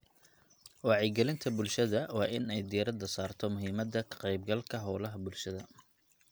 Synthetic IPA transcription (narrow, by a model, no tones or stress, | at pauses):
wɑːʕɪɡɛlɪnt̪ʰɐbʊlʃɐðɐwɑːʔɪnɛjd̪ijɐɾɐd̪ɐsaːrt̪ʰɔmʊɦiːmɐd̪ɐkʰqɛjbɡɐlkʰɐɦɔːlɐɦɐbʊlʃɐðɐ